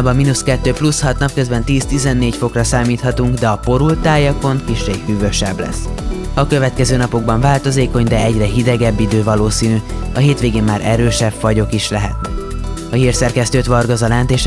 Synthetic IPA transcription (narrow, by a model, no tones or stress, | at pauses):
bɒminuskɛt̪ːøːplushɒt̪nɒp̚kø̞zbɛnt̪iːst̪izɛnːeːcfo̞krɒsaːmiːt̪hɒt̪uŋɡd̪ɛɒpo̞ɾult̪aːjɒko̞nkiʃrefyːvø̞ʃɛblɛ̰sːɒkø̞vɛt̪kɛzøːnɒpo̞ɡ̚bɒɱvaːlt̪o̞zeːko̞ɲd̪ɛɛɟrɛɦid̪ɛɡɛbːid̪øːvɒloːsiːnyɒɦeːt̪ʋeːɡeːmmaːɾʔɛɾøːʃɛbfɒɟo̞kiʃlɛɦɛ̰t̪̚nɛk | ɒɦiːrsɛrkɛst̪øːt̪ʋɒrɡɒzɒlɛnt̪eːʃ